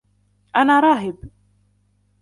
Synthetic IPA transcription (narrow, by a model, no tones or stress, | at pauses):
ʔanaɾˤɑːɦɪb